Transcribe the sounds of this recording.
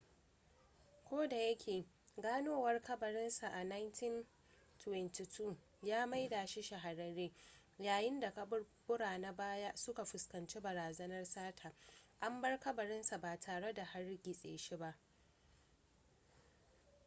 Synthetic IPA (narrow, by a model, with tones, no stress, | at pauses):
kʷoː˦da˨jɐ˦kʲʰeː˨ | ɡaː˦noː˦wɐ˦rkɐ˦bɐ˨ɾɪ˦nsa˨ʔa˨na˦jntɪ˦n | tʰwɛ˨nti˨tʰu˦˨ | jaː˦ma˦jdaː˨ʃi˦ʃa˨ɦa˨ɾɐ˨ɾeː˦ | jaː˨jɪ˦nda˨kɐ˦bʊ˦bʊ˦ɽaː˨na˦baː˦ja˦sʊ˦ka˨ɸʊ˨skɐ˨nt͡ʃe˦bɐ˨ɾaː˨zɐ˦nɐ˦rsaː˦tʰaː˨ʔa˦mbɐ˦rkɐ˦bɐ˨ɾɪ˦nsa˨baː˨tʰaː˨ɽe˦da˨ha˦rɡʲɪ˨sʼḛː˨ʃi˦ba˦ʔ